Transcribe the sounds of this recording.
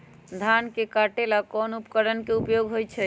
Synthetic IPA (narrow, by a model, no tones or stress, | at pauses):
d̪ʱankekaʈelakɔnupkəɾənkeupjoɡɦojt͡ʃʰɛ